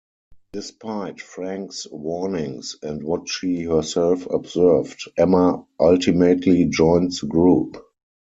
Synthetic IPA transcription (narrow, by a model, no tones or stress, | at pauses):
d̥ɪspʰaɪtfɹæ̃ŋkswɔnɪ̃ŋsɛ̃ntwɔtʃiːhɜ˞sɛlfɔ̰bzɜ˞vdʔɛməʔaltimetʰlid͡ʒɔ̃ɪ̃ntsɡɹuːp